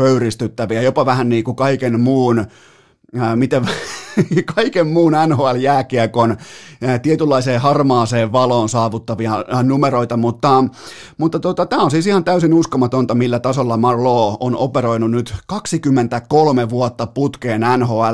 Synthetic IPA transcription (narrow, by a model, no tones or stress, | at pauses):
pøyɾist̪yt̪ːæʋiæjopɑʋæhænniːkukɑikenmuːn | mit̪eʋ | kɑikemmuːnænhoæljæːkiækont̪iet̪ylːɑiseːhɑrmɑːseːʋʋɑloːnsɑːʋut̪ːɑʋiɑnumeɾoit̪ɑmut̪ːɑ | mut̪ːɑt̪ot̪ɑt̪æːonsiːsihɑnt̪æysinuskomɑt̪ont̪ɑmilːæt̪ɑsolːɑmɑrloːonopeɾoinunyt̪kɑksikymːent̪ækolmeʋuot̪ːɑput̪keːnænhoæl